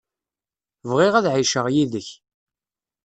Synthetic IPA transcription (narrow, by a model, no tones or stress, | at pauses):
vʁɪʁæðʕiʃəʁjiðəç